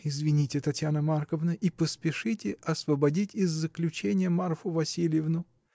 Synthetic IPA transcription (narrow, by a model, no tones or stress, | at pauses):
ɪzvʲɪnʲitʲɪt̪ɐtʲjanəmarkəvnəʔipəspʲɪʂɨtʲɪʔɐsvəbɐdʲitʲɪzːəklʲʉt͡ɕenʲɪjəmarfʊvɐsʲilʲɪjɪvnʊ